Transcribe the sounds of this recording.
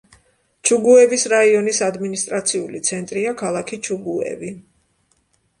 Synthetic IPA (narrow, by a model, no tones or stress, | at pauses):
t͡ʃʰuɡuɛvisɾaiɔnisad̪minist̪ʼɾat̪sʰiulit̪sʰɛnt̪ʼɾiakʰalˠakʰit͡ʃʰuɡuɛ̰vi